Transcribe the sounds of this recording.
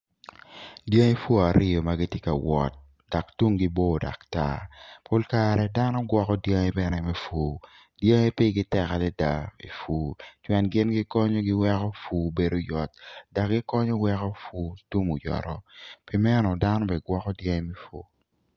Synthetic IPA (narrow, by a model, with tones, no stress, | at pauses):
dje˦ŋe˦fo˦a˨ɾʔɪ˦jo˨ma˦ɡɪ˦tjɪ˦ka˨wɔ̰˨t̚ | da˨ktu˦ŋɡɪ˦bo˦˨da̰˨kta̰˦po˦lka˨ɾɛ˨da˦nɔ˦ɡwɔ˦kɔ˦dja˦ŋe˦bɛ˨nɛ˨mɛ˦fuː˨ | dje˦ŋe˦pi˦ɡɪ˦tɛ˨ka˨lɛ˦da˨ḭ˨fuː˨˦t͡ʃwɛ˨nɡɪ˦nɡɪ˦kɔ˦ɲo˦ɡɪ˦wɛ˦kɔ˦fu˦be˨do˦jɔ˨t̚da˨kɡɪ˦kɔ˦ɲɔ˦wɛ˦kɔ˦fu˦tu˦mu˨jɔ̰˨ɾɔ˨pi˨mɛ˦nɔ˨da˦nɔ˦bɛ˨ɡwɔ˦kɔ˦dja˦ŋe˦mɛ˦fo̰˦